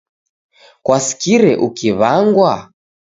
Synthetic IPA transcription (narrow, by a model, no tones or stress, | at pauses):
kwasi̥kiɾɛʔukiβaŋɡwa